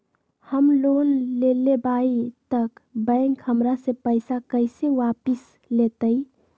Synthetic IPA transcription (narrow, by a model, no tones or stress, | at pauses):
həmloːnlelebait̪əkbə̃ŋkhəmɾasepəɪsakəɪseʋaːpis | let̪əi